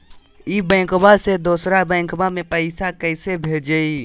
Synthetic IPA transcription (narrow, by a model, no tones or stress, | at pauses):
ibɛ̃ːŋkbased̪oːsɾabə̃ɪkbamẽpəɪsakəɪsebʱed͡ʒəi